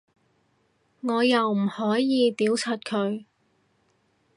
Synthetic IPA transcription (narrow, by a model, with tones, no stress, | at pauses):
ŋɔː˨˧jɐ˨wm̩˨˩hɔː˨˥jjiː˨˧t̪iː˨˥wt͡sʰɐ˨t̚kʰɵ˨˧ɥ